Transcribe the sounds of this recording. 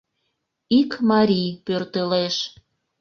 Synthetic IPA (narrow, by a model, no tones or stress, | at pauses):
ikmɑɾʲijpørt̪əleʃ